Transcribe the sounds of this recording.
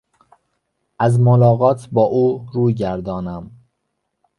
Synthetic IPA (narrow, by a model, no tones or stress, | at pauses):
ʔæzmolɒːɣɒːt̪ʰbɒːʔuːɾuːjɟæɾd̪ɒːnæm